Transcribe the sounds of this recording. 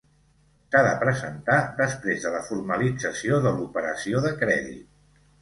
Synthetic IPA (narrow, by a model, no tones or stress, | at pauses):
saðəpɾəzənt̪aðəspɾezðələfurməlid͡zəsioðəlupəɾəsioðəkɾɛðḭt̪̚